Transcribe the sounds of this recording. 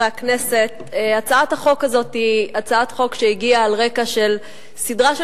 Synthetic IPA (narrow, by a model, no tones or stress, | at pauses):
eaknese̞t | eat͡saathaχo̞kazo̞tiat͡saatχo̞kʃeiɡiaːlʁe̞kaʃe̞l | sidʁaʃ